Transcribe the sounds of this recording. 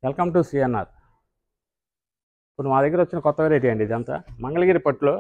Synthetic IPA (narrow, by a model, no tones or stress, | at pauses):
ʋɛlkɐmʈusijɐnːa̰ːɾ | ipːunumaːd̪ɐɡːiɾʋɐt͡ʃːinɐkɔt̪ːɐʋɐːɾeːʈ̬iɐɳɖiːd̪iɐnt̪a̰mɐŋɡɐɭɐɡiːɾipɐʈloː